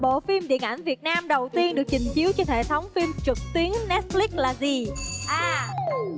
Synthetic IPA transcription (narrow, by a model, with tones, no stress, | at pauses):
ɓo̰˧˨fi˧mɗḭ˧˨ənʔa˧˩jŋ̟vi˨˩ət̚naː˧mɗə˨˩wt̪i˧ənɗɨ˨˩ək̚t͡ɕï˨˩ŋ̟t͡ɕi˨˦wt͡ɕɔ˧hḛ˧˩t̪ʰə˨˦wŋ͡mfi˧mt͡ɕɨ˨˩k̚t̪wi˨˦ənːɛ˦˥t̚li˦˥k̚laː˨˩zi˨˩ʔaː˨˩